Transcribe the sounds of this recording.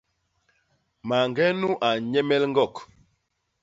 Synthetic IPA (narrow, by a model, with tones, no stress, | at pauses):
ma˨ŋɡɛ˦nu˦ʔa˨ɲɛ˦mɛ˦lŋ̩˦ɡɔ˦˨k